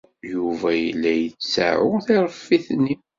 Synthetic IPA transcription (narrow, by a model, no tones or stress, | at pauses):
juvæjəlːæjət͡sːsa̰ʕʊθiɾˤəfːiθnːi